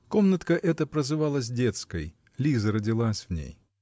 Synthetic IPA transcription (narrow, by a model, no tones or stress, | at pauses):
komnɐt̪kɐʔɛt̪əpɾɐzɨvalˠəsʲdʲet̪skəj | lʲizɐɾɐdʲilˠasʲvnʲḛj